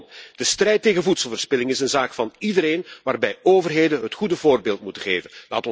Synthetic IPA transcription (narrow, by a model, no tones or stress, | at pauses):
d̥əstrɛjteːɣənvutsəlˠvəːrspɪlɪŋɪsənzaːkfɑnidəɾeːnʋaːrbɛjoːvərɦeːdənɦətχudəvoːrbeːlˠtmutəχeːvənla̰ːtɔ